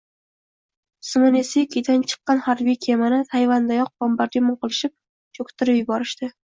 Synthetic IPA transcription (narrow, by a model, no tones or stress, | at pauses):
sɨmɪnesikʲʰid̪ant͡ʃʰɨ̥qːɑnhaɾbijkʲʰe̞manɪt̪ʰajvand̪ajɒq̚b̥ɒmbaɾd̪ʲamʊɴqɨlˠɪʃɪp̚ | t͡ʃʰokʲt̪ʰɪɾɪpjʊbɒɾɪʃt̪ɪ